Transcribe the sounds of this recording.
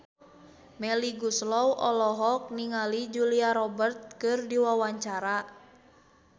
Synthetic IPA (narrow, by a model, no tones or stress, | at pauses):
mɛliɡuslɔwʔɔlɔɦɔk̚niŋalid͡ʒuliaɾɔbərt̪̚kɨrdiwawaɲt͡ʃaɾa